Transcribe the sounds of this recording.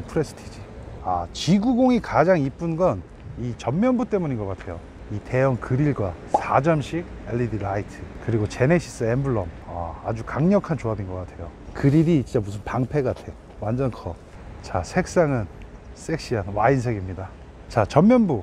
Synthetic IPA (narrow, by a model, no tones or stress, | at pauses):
pʰɯɾesʰtʰid͡ʑi | a̰t͡ɕiɡuɡoŋikad͡ʑaŋip͈unɡʌn | it͡ɕʌmmjʌnbut͈e̞muɲinɡʌk͈atʰe̞jo | ite̞jʌŋkɯɾiɭɡwa | kad͡ʑʌmɕʰik̚elːidiɾaitʰɯkɯɾiɡot͡ɕe̞ne̞ɕʰi̥s͈ɯembuɭːʌma̰ad͡ʑukaŋɲʌkʰant͡ɕoabinɡʌk͈atʰe̞jokɯɾiɾit͡ɕit͡ɕamus̬ʰɯnpaŋpʰe̞ɡatʰe̞ | wand͡ʑʌnkʰʌ | t͡ɕasʰe̞k̚s͈aŋɯns͈ek̚ɕ͈iʌnwains̬ʰe̞ɡimɲida | t͡ɕat͡ɕʌmːjʌnbu